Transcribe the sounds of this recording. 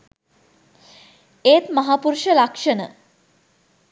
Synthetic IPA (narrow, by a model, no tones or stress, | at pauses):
eːt̪mɐɦaːpuɾuʃəlakʂənə̰